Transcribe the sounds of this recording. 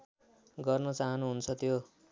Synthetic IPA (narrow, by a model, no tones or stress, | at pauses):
ɡʌrnʌt͡saɦʌnuɦunt͡sʰʌt̪jo